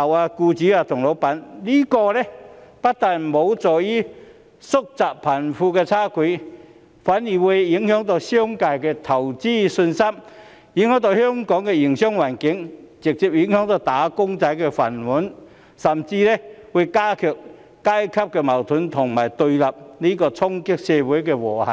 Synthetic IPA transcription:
a˨˩wa˧kuː˧t͡ɕi˨˧˥a˧t̪ʰʊ˨˩ŋlo˨˥wpɐ˨˥nli˦˥˩kɔː˧lɛ˧˩pa˦˥t̚t̪a˨n˨˩mo˨˥wt͡sɔː˨˩ji˦˥ | sʊ˥k̚t͡saː˨˩k̚pʰɐ˨˩nfuː˧kɛː˧t͡sʰaː˥kʰi˨˧˥ | faː˨˥nji˨˩wu˨˧ji˨˥ŋhœ˨˥ŋt̪ɔ˧si˥ŋka˧˩jkɛ˧t̪ʰɐ˨˩wt͡siː˥sɵ˧nsa˥m | ji˧˥ŋhœː˨˥ŋt̪ɔ˧whœ˥ŋkɔː˨˥ŋkɛ˧ji˨˩ŋɕjɔ˥ŋwaː˨˩nkɪ˨˥ŋt͡sɪ˨k̚t͡si˧˨˩p̚ji˨˥ŋhœ˨˧˥ŋt̪ɔ˧t̪aː˨˥kʊ˥ŋt͡sa˨˥jkɛ˧fɐ˨˩nwu˨˦˥n | sɐ˨˩mt͡si˧lɛ˦˥wu˨˧jkaː˥kʰœː˨˩k̚ | kaː˥jkʰɐ˥p̚kɛ˧mɐ˨˩wt̪ʰʊ˨˥nt̪ʰʊ˨˩ŋmaː˨˩jt̪ɵ˧ɥlɐ˨p̚li˦˥kɔː˧t͡sʰɔ˥ŋkɪ˥k̚sɛː˧wu˨˦jkɛ˧wɔː˨˩ha̰˨˩

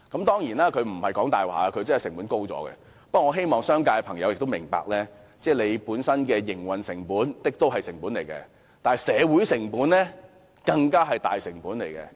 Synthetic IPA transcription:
kɐ˨˥mt̪ɔː˥ŋjiː˨˩naː˦˥kʰɵ˨˧ɥm̩˨˩hɐ˨jkɔː˨˥ŋt̪aː˨˩jwa̰ː˨˩a˧kʰɵ˨˧ɥt͡sɐ˥nhjsɪ˨˩ŋpuː˨˥nko˥wt͡sɔ̰ː˨˧˥ɡɛ̰˧ | pɐ˥kʷːŋɔː˨˧ɦe˥jmɔː˨ŋsœː˥ŋkaː˧jpʰɐ˨˩ŋjɐ˨˧wjɪ˨k̚t̪o˥mɪ˨˩ŋpa̰ː˧k̚lɛː˥ | t͡sɛː˥˩le˨˧jpuː˨˥nsɐ˥nkɛː˧jɪ˨˩ŋwɐ˨nsɪ˨˩ŋpuː˨˥nt̪ɪ˥k̚t̪o˥wɦɐ˨jsɪ˨˩ŋpu˨˥nle˨˩jkɛ̰˧ | t̪aː˨sɛː˨˧wuː˨˥jsɪ˨˩ŋpuː˨˥nlɛː˥ | kɐ˧ŋkaː˥ɦɐ˨jt̪a̰ː˨jsɪ˨˩ŋpuː˨˥nle˨˩jkɛ̰˧

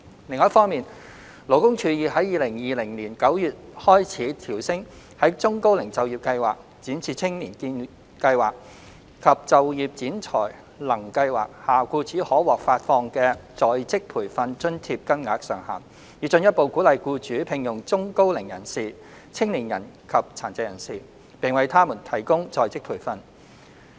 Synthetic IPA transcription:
lɪ˨ŋːɔː˨˦˥fɔː˥ŋmiː˨n | lo˨˩wkʊ˥ŋt͡ʃʰyː˨˧jiː˨˧hɐ˨˥jːiː˨lɪ˨˩ŋjiː˨lɪ˨˩ŋniː˨˩nkɐ˨˥wjyː˨t̚hɔː˥jt͡sʰiː˨˥t̪ʰiː˨˩wsɪ˥ŋ | hɐ˨˥jt͡sʊ˥ŋko˥wlɪ˨˩ŋt͡sɐ˨wjiː˨p̚kɐ˧jwaː˨k̚ | t͡siː˨˥nt͡sʰiː˨˩t͡sʰɪ˥ŋniː˨˩nkiː˧n | kɐ˧jwaː˨˩k̚ | kʰɐ˨p̚t͡sɐ˨wjiː˨p̚t͡siː˨˥nt͡sʰɔ̰ː˨˩j | lɐ˨˩ŋkɐ˧jwa̰ː˨k̚haː˨kuː˧t͡sʰiː˨˥hɔː˨˥wɔː˨k̚faː˧t̚fɔː˧ŋkɛː˧t͡sɔː˨jt͡sɪ˥k̚pʰuː˨˩jfɐ˧nt͡ʃɵ˥nt̪ʰiː˧p̚kɐ˥nŋaː˨˥k̚sœː˨˩ŋha̰ː˨˩n | jiː˨˧˥t͡sɵ˧njɐ˥t̚po˨˧wkuː˨˥lɐ˨jkuː˧t͡ʃyː˨˥pʰɪ˨˩ŋjʊ˨˩ŋt͡sʊ˥ŋko˥wlɪ˨˩ŋjɐ˨˩nsiː˨˩ | t͡sʰɪ˥ŋliː˨˩njɐ˨˩nkʰɐ˨p̚t͡sʰaː˨˩nt͡sɛ˧jɐ˨˩nsiː˨˩ | pɪ˨˩ŋwɐ˨jt̪ʰaː˥muː˨˩nt̪ʰɐ˨˩jkʊ˥ŋt͡sɔː˨˧jt͡sɪ˥k̚pʰuː˨˩jfɐ˧n

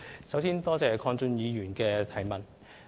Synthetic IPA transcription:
sɐ˨˥wsiː˥nt̪ɔː˥t͡sɛː˨kʰɔː˧ŋt͡sʊ˧njiː˨˧jyː˨˩nkɛː˧t̪ʰɐ˨˩jmɐ˨n

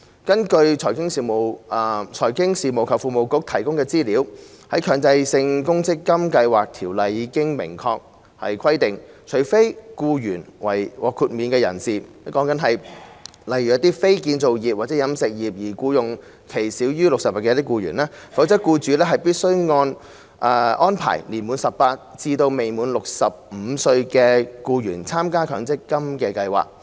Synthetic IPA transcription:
kɐ˥nkɵ˧ɥt͡ʃʰɔː˨˩kɪ˥ŋsiː˨mo˨˩wʔɐ˧t͡ʃʰɔː˨˩jkɪ˥ŋsiː˨mo˨˩wkʰɐ˨˩wfuː˨mo˨wkʊ˨˥k̚t̪ʰɐ˨˩jkʊ˥ŋkɛː˧t͡siː˥liː˨˥w | hɐ˨˥jkʰœː˨˧ŋt͡sɐ˧jsɪ˧ŋkʊ˥ŋt͡sɪ˥kːɐ˥mkɐ˧jwaː˨k̚t̪ʰiː˨˩wlɐ˨jːiː˨˧kɪ˥ŋmɪ̰˨˩ŋkʰɔː˧k̚ | hɐ̰˨jkʰɐ˥jt̪ɪ˨ŋt͡ʃʰɵ˨˩ɥfe˥jkuː˧jyː˨˩nwɐ̰˨˩jwɔː˨˧kʰu˧t̚miː˨˥nkɛː˧jɐ̰˨˩nsiː˨˩˥ | kɔː˨˥ŋkɐ˨˥nɦɐ˨j | lɐ˨jɥy˨ɐ˧˥t̪iː˥fe˥jki˨˧nt͡so˨wjiː˨p̚waː˨˩t͡sɛ˨˦˥jɐ˨˧msɪ˨k̚jiː˨p̚jiː˨˩kuː˧jʊ˨ŋ | kʰe˨˩jsiː˨˥wjyː˥lʊ˨k̚sɐ˨p̚aː˨kɛː˧˥t̪i˥kuː˧ɥyː˨˩nɛː˥fɐ˨˥wt͡sɐ˥t̚kuː˧t͡ʃyː˨˥lɛː˥ɦɐ˨jpiː˥t̚sɵ˥ɥŋɔː˧n | ʔɛː˨˧ʔɔː˥npʰa̰ː˨˩jliː˨˩nmuː˨˧nsɐ˨ppaː˧t̚t͡siː˧t̪o˧wme˨jmuː˨˥nlʊ˨k̚sɐ˨p̚m̩ː˨˧sɵ˧ɥkɛː˧kuː˧jyː˨˩nt͡sʰaː˥mkaː˥kʰœː˨˥ŋt͡sɪ˥kkːɐ˥mkɛː˧kɐ˧jwa̰ː˨˩k̚

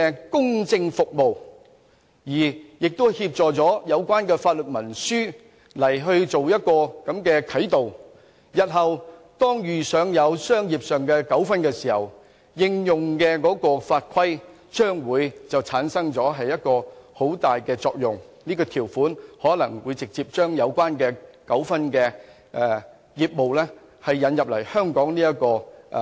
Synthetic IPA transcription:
ɛ˧kʊ˥ŋt͡sɪ˧ŋfʊ˨k̚mo˨w | jiː˨˩jɪ˨k̚t̪o˥hiː˧p̚t͡sɔː˨t͡sɔː˨˥jɐ˨˧wkʷwaː˥nkɛː˧faː˧t̚lɵ˨t̚mɐ˨˩nsyː˥ | lɐ˨˩jɦɵ˧ɥt͡so˨wjɐ˥t̚kɔː˧kɐ˨˥mkɛː˧kʰɐ˨˥jt̪o˨w | jɐ˨t̚ɦɐ˨wt̪ɔː˥ŋjyː˨˩sœː˨˧ŋjɐ˨˧wsœː˥ŋjiː˨p̚sœː˨ŋkɛː˧kɐ˨˥wfɐ˥nkɛː˧siː˨˩hɐ̰˨˩w | jɪ˧ŋjʊ˨ŋkɛː˧kɔː˨˥kɔː˧faː˧t̚kʰɐ˥j | t͡ʃœː˥ŋwuː˨˧jt͡sɐ˨wt͡sʰaː˨˥nsɐ˥ŋt͡sɔː˨˥ɦɐ˨jːɐ˥t̚kɔː˧ho˨˥wt̪aː˨jkɛː˧t͡sɔː˧k̚jʊ˨˩ŋniː˥kɔː˧t̪ʰiː˨˩wfuː˨˥nhɔː˨˥lɐ˨˩ŋwuː˨˧jt͡sɪ˨k̚t͡siː˧p̚t͡ʃœː˥ŋjɐ˨˧wkʷwaː˥nkɛː˧kɐ˨˥wfɐ˥nkɛː˧ | ʔɛ˨˧ | jiː˨˩t̚mo˨wlɛː˥ | hɐ˨jːɐ˨˥njɐ˨p̚lɐ̰˨˩jhœː˥ŋkɔː˨˥ŋniː˥jɐ˥t̚kɔː˧

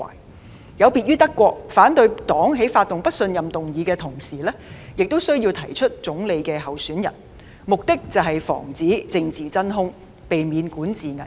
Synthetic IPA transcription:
a̰ː˨˩j | jɐ˨˧wpiː˧t̚yː˥t̪ɐ˥kːʷɔː˧k̚faː˨˥nt̪ɵ˧ɥt̪ɔː˨˥ŋɦe˨˥jfaː˧t̪ʊ˨ŋpɐ˥t̚sɵ˧njɐ˨mt̪ʊ˨ŋjiː˨˧kɛː˧t̪ʰʊ˨˩ŋsiː˨˩lɛː˥jɪ˨k̚t̪o˥wsɵ˥ɥji˧wt̪ʰɐ˨˩jt͡ʃʰɵ˥t̚t͡sʊ˨˥ŋle˨˧jkɛː˧ɦɐ˨wsyː˨˥njɐ̰˨˩n | mʊ˨k̚t̪ɪ˥k̚t͡sɐ˨wɦɐ˨jfɔ̰ː˨˩ŋt͡siː˨˥t͡sɪ˧ŋt͡siː˨t͡sɐ˥nɦʊ˥ŋ | pe˨jmiː˨˧nkuː˨˥nt͡siː˨ŋɐ̰˨˩

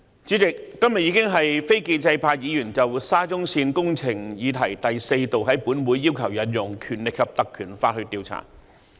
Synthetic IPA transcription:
t͡siː˨˥t͡sɪ˨k̚ːɐ˥mjɐ˨t̚ji˨˧kɪ˥ŋɦɐ˨jfe˥jkiː˧nt͡sɐ˧jpʰaː˧k̚jiː˨˧jyː˨˩nt͡sɐ˨wsaː˥t͡sʊ˥ŋsiː˧nkʊ˥ŋt͡sʰɪ˨˩ŋjiː˨˧t̪ʰɐ˨˩jt̪ɐ˨jse˧jt̪o˨wɦɐ˨˥jpu˨˥nmuː˨˥jːiː˥wkʰɐ˨˩wjɐ˨˥njʊ˨˩ŋkʰyː˨˩nlɪ˨k̚ʰɐ˨p̚t̪ɐ˨kʰːyː˨˩nfaː˧t̚hɵ˧ɥt̪iː˧wt͡sʰa̰ː˨˩

